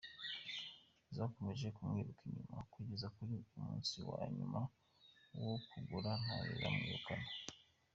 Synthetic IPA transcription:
zaːko̞me̞ʒe̞kumŋiːɾukʰiɲumakwiːɟe̞zakuɾiumuːnsiwaːɲuma | wokuɡuɾan̥hajiɾamŋiɾukana

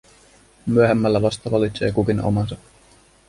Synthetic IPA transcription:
myøɦemːælːæʋɑst̪ɑʋɑlit̪se̞ːkukino̰mɑnsɑ

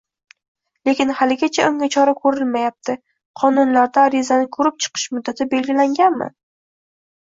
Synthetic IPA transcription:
le̞kʲɪnhalɪɡʲat͡ʃʰaʔʊŋʲat͡ʃʰɒɾakʰɵɾɪlmajap̚t̪ʰɪ | qʰɒnʊnlaɾd̪aːɾɪzanɪkʰɵɾɪp̚t͡ʃʰɨ̥qʰɨ̥ʃmʊd̪ːat̪ʰɪbe̞lɡʲɪlaŋɡʲanmɪ̰

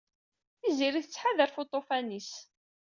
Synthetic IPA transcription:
θiziɾiθət͡sːħaðəɾfot̪ˤofænis

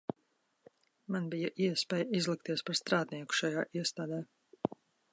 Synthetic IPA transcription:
manbijaʔiɛspʲɛːjizlˠik̚t̪iɛspaɾst̪ɾaːd̪niɛku̥ʃajaːʔiɛst̪aːd̪ɛː

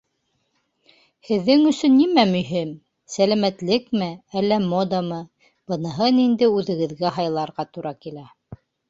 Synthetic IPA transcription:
hɘ̆ðːɘŋɵ̆sɵnːimæmɵ̆jɦim | sælæmæt̪lɘkmɘælːæmod̪əmɤ | b̥ɤ̆nɤ̆ɦɤnind̪ɘʉðɘ̆ɡɘ̆ðɡæɦɑjlˠɑɾʁɑt̪uɾʔɑkilæ

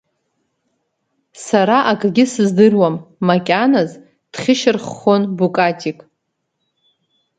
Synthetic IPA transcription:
saɾaʔakʼɡʲɪsɨzdɨrwamːakʲʼanaz | d̥χʲɪʃɪrχonbukʼatʲʼikʼ

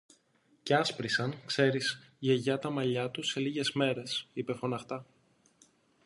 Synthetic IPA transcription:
ceɐspɾisɐnkse̞ɾis | ʝe̞ʝɐt̪ɐmɐʎɐt̪use̞liʝe̞zme̞ɾe̞sipe̞fo̞nɐxt̪ɐ

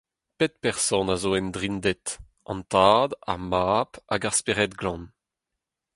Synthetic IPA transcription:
pet̪̚pɛʁsɔ̃nazoːɛnd̪ʁind̪ɛt̪ | ɑ̰̃nt̪aːd̪a̰ʁmaːpaɡaʁspeʁɛt̪ɡlɑ̃n

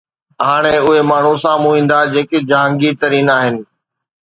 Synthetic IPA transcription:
ɦaːɽ̃eʊɦemaːɳ̤usãmũɦĩːnd̪ad͡ʑeːkɪd͡ʑãːŋɡit̪əɾiːnaːɦɪnɪ̆

